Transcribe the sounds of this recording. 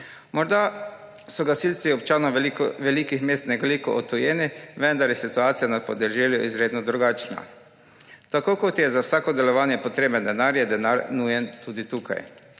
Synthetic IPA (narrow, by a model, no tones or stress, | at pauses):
mɔɾd̪a | sɔɡasilt̪siɔpt͡ʃaːnɔʋɛlikixmeːst̪nɛɡlikɔɔt̪ːujeːniʋɛnd̪aɾjɛsit̪uaːt̪sijanat̪̚pɔd̪ɛʒɛːljuʔizɾeːd̪nɔd̪ɾuɡaːt͡ʃna̰ | t̪akokot̪jɛzawsaːkɔd̪ɛlɔʋaːnjɛpɔt̪ɾeːbənd̪ɛnaɾjɛd̪ɛnaɾnujɛnt̪uːd̪it̪uka̰j